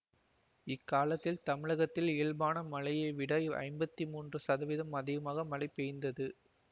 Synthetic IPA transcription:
ɪkːaːlɐt̪ːɪlt̪ɐmɪɻɐɣɐt̪ːɪleːɭbaːnɐmɐlɐjɐɪʋɪɽɐɪɐ̰ɪmbɐt̪ːimuːndrɯsɐðɐʋɪðɐmɐðɪɣɐmaːɣɐmɐlɐɪpːɛjɪnd̪ɐðɯ

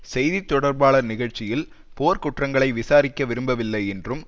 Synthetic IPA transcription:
sɛjðit̪ːɔɽɐɾbaːɭɐnɪɣɐɻt͡ʃːɪjɪl | poːɾkʊʈrɐŋɡɐɭɐɪʋɪsaːɾɪkːɐʋɪɾɯmbɐʋɪlːɐɪɛndrɯm

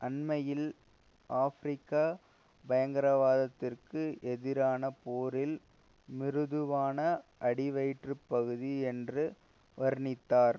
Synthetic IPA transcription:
ʔɐnmɐjɪl | ʔaːfɾɪkːaː | bɐjɐŋɡɐɾɐʋaːðɐt̪ːɪrkɯʔɛðɪɾaːnɐpoːɾɪl | mɪɾɯðɯʋaːnɐʔɐɽɪʋɐɪʈrɯpːɐɣɯðiɛndrɯ | ʋɐɾnɪt̪ːaːɾ

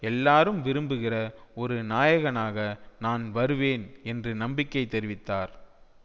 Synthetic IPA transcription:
ɛlːaːɾɯmʋɪɾɯmbɯɣɪrɐɔɾɯnaːjɐɣɐnaːɣɐnaːnʋɐɾɯʋeːnɛndrɯnɐmbɪkːɐɪt̪ːɛɾɪʋɪt̪ːaːɾ

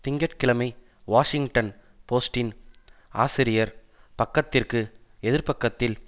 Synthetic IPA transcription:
t̪ɪŋɡɐʈkɪɭɐmɐɪ | ʋaːʂɪŋɡʈɐn | poːsʈɪnʔa̰ːsɪɾɪjɐɾ | pɐkːɐt̪ːɪrkɯɛðɪɾpɐkːɐt̪ːɪl

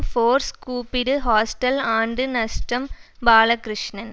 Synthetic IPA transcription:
foːɾskuːpːɪɾɯɦaːsʈɐlaːɳɖɯnɐsʈɐmbaːlɐkɾɪʂɳɐn

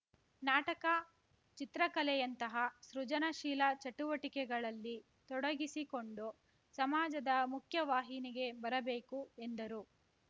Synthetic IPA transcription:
naːʈɐkɐ | t͡ʃit̪ɾɐkɐlɛjɐnt̪ɐɦɐsɾud͡ʒɐnɐʃiːlɐt͡ʃɐʈuʋɐʈikɛɡɐɭɐlːi | t̪ɔɽɐɡisiko̞ɳɖu | sɐmaːd͡ʒɐd̪ɐmukʰjɐʋaːɦiniɡe̞bɐɾɐbeːkue̞nd̪ɐɾu

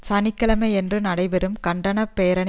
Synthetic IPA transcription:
t͡ʃɐnɪkːɐɭɐmɐɛndrɯnɐɽɐɪʋɛɾɯmkɐɳɖɐnɐpːeːɾɐɳ

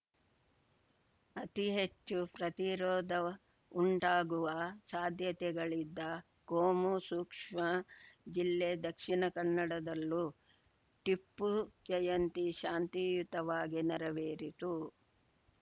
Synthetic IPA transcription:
ɐt̪iɦet͡ʃːupɾɐt̪iɾɔːd̪ɐ | uɳʈaːɡuʋɐsaːd̪ʱjɐt̪ɛɡɐɭid̪ːɐ | ɡoːmusuːkʂmɐd͡ʒilːed̪ɐkʂinɐkɐɳːɐɽɐd̪ɐlːu | ʈipːud͡ʒɐjɐnt̪iʃaːnt̪ijut̪ɐʋaːɡinɐɾɐʋeːɾit̪u

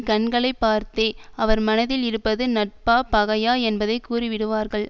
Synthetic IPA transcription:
kɐɳɡɐɭɐɪpːaːɾt̪eːɐʋɐɾmɐnɐðɪlɪɾɯpːɐðɯnɐʈ̚paːpɐɣɐjaːɛnbɐðɐɪkːuːriʋɪɽɯʋaːɾɣɐɭ

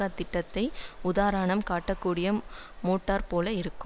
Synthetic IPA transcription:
aːt̪ːɪʈːɐt̪ːɐɪʊðaːɾaɳɐmkaːʈːɐkːuːɽɪjɐmoːʈːaːɾpoːlɐɪɾɯkːɯm

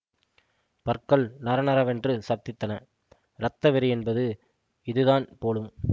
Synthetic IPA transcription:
pɐɾkɐɭnɐɾɐnɐɾɐʋɛndrɯsɐɾt̪ɪt̪ːɐnɐ | ɾɐt̪ːɐʋɪɾɯɛnbɐðɯ | ɪðɯðaːnpoːlɯm

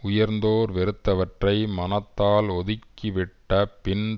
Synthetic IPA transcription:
ʊjɐɾnd̪oːɾʋɛɾɯt̪ːɐʋɐʈrɐɪmɐnɐt̪ːaːlɔðɪkːɪʋɪʈːɐpɪɳ

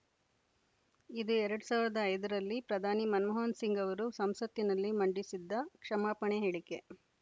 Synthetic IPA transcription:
id̪uɛɾɐɽusaːʋiɾɐd̪ɐːjd̪ɐɾɐlːipɾɐd̪ʱaːnimɐnmɐɦaːnsiŋɡɐʋɐɾusɐmsɐt̪ːinɐlːimɐɳɖisid̪ːɐkʂɐmaːpɐɳeɦeːɭike

